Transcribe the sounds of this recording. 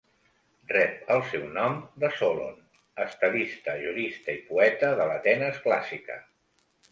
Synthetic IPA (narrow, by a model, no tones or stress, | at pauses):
rɛp̚əlˠsɛwnɔmd̪əsolo̰n | əst̪əðist̪əʒuɾist̪əipuɛt̪əðələt̪ɛnəskla̰sikə̰